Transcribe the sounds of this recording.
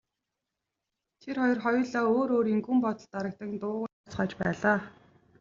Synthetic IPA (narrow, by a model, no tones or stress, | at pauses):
t̪ʰerχɔjɞ̆rχɔjɞ̆ɮaːoːɾoːɾiŋɡuːmpɔt̪ɞ̆ɮt̪aɾə̆k̚t̪ə̆ŋt̪ʊːʁ | t͡sχaːt͡ɕpæːɮaː